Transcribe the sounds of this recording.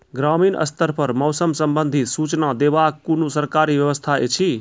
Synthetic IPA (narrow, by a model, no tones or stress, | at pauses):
ɡɾaminʔə̰st̪ʰəɾpəɾmɔwsəmsəmbənd̪ʱit̪sut͡ʃnad̪ebakːunosəɾkaɾibjəʋəst̪ʰaḛt͡ʃʰi